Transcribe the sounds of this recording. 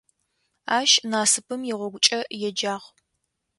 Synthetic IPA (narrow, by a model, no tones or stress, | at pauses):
aːʃnaːsɨpʰɨmjɛʁʷɔɡʷʊt͡ʃʼɐjɛd͡ʒaːʁ